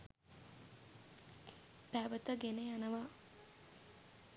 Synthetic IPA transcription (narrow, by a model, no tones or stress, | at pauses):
pæʋət̪əɡenejanəʋa